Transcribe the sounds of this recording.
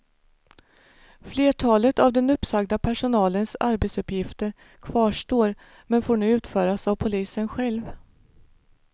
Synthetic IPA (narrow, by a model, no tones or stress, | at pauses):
fleːʈʰɑːlət̪avd̪ɛnɵpːsaɡd̪apʰæʂʊnɑːlənsaɾbɛt̪sɵpːjɪft̪əɾ | kʰvɑːʂʈoːɾ | mɛnfoːɳʉ̟ːʉ̟ːt̪fœːɾasavpʰʊliːsənɧɛlv